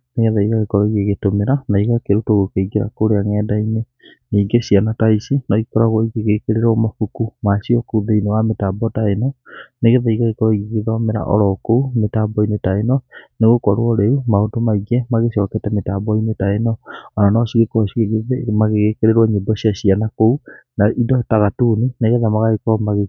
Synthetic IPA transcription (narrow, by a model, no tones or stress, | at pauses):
neɣɛðaiɣaɣekɔɾɔiɣeɣetomeɾanaiɣakeɾotoɣokeiɡeɾa̰koɾeaŋɛːdaine | niːɡeɕianataisinɔikɔɾaɣwɔiɣeɣekeɾeɾɔmakukumaʃiɔkuðeinewametabɔtaenɔneɣeðaiɣaɣekɔɾɔiɣeɣeðɔmeɾa̰ʔɔ̰ɾɔkoumetabɔinetaenɔneɣokɔɾoɔɾeumaodomaiɡɛmaɣeɕɔkɛtɛmetabɔinetaenɔɔnanɔɕiɣekɔiemaɣeɣekeɾeɾwɔɲebɔɕiaɕianakounaʔidɔtaɣatunineɣɛðamaɣaɣekɔmaɣe